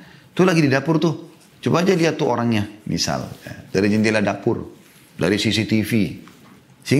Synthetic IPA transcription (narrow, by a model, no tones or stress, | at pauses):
t̪ulaɡididapʊrt̪u | t͡ʃubaːd͡ʒaliat̪ːuoɾaŋɲamḭsa̰lja̰daɾid͡ʒɛnt̪iladapʊr | da̰ɾisisit̪ifi | si